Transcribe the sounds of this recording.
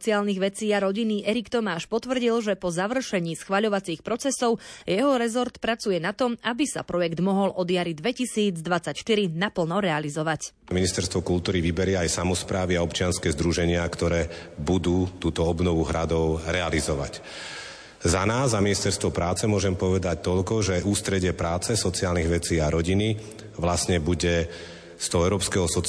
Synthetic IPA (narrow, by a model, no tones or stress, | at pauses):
st͡siaːlniɣʋɛt͡siːaɾɔɟiniʔɛɾikt̪ɔmaːʃpɔt̪ʋr̩ɟilʒɛpɔzaʋr̩ʃɛɲiːsxʋaʎɔʋat͡siːxpɾɔt͡sɛsɔʊjɛɦɔɾɛzɔɾt̪pɾat͡sujɛnat̪ɔmabisa̰pɾɔjɛɡd̪mɔɦɔlʔɔd̪jaɾid̪ʋɛcisiːd͡zd̪ʋat͡sːacʃt̪iɾinapl̩nɔɾɛalizɔʋacminist̪ɛɾst̪ʋɔkult̪uːɾiʋibɛɾɪɛajsamɔspɾaːʋiaɔpt͡ʃɪanskɛːzd̪ɾuʒɛɲɪakt̪ɔɾɛːbud̪uːt̪uːt̪ɔɔbnɔʋuɦɾad̪ɔʊɾɛalizɔʋa̰c | zanaːzːaminist̪ɛɾst̪ʋɔpɾaːt͡sɛmʊɔʒɛmpɔʋɛd̪ac̚t̪ɔʎkɔʒɛuːst̪ɾɛɟɪɛpɾaːt͡sɛsɔt͡siaːlniɣʋɛt͡siːaɾɔɟini | ʋlasɲɛbuɟɛ | st̪ɔɦɔɛʊɾɔːpskɛɦɔsɔ